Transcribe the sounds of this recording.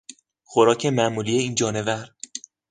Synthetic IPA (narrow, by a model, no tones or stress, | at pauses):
xoɾɒːcʰe̞mæʔmuːlijeiːnd͡ʒɒːne̞væɾ